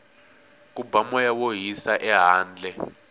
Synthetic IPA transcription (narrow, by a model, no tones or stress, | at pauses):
kʼubamɔjawoɦisaʔɛɦaːnd͡ɮʱɛ